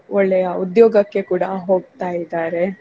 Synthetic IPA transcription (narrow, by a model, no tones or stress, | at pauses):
ɔɭːɛjɐud̪joːɡɐkːe̞kuːɽɐɦo̞ːɡt̪aːjid̪aːɾe̞